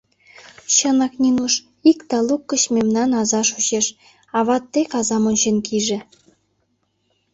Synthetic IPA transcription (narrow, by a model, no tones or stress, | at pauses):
ɕɤ̆nɑknʲinuʃ | ikt̪ɑlˠukːɤ̆ɕmʲemnɑnɑzɑʃuɕeʃ | ɑβɑt̪ːekɑzɑmŏnʲɕenkʰiʒĕ